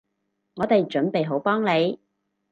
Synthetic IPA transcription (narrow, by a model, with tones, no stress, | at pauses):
ŋɔː˨˧t̪e˨jt͡ʃɵ˨˥npe˨jɦo˨˥wpɔː˥ŋle˨˧j